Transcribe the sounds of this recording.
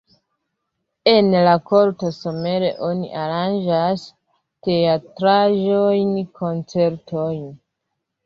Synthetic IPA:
e̞nlako̞ɾto̞so̞me̞ɾe̞ʔo̞nḭʔaɾand͡ʒas | te̞atɾaʒo̞jnkʰo̞nt͡se̞ɾtʰo̞jn

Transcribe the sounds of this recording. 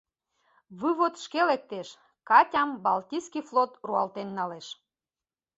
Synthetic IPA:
βɨβot̪ʃkelek̚t̪eʃ | kɑtʲɑmbɑlt̪ʲiskiflot̪ruɑlt̪enːɑleʃ

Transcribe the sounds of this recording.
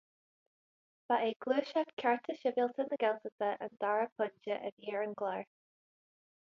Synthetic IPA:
v̥aʔeːɡluːʃatkʰaɹtʰəʃɪvɪlˠt̪ʰənəɡɛlˠtət̪ʰəʔə̰nd̪̥aɹəpʰʊnd͡ʒəʔə̰vjiːɹənɡlaɹ

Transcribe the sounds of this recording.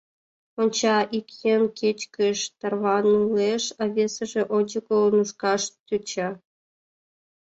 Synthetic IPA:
onʲt͡ɕɑʔikʲjenkʲʰet͡ɕkɘ̆ʃt̪ɑrvɑnuleʃɑβʲesə̆ʒĕʔod͡ʑəkolˠnuʂkɑʃt̪ʲut͡ɕɑ

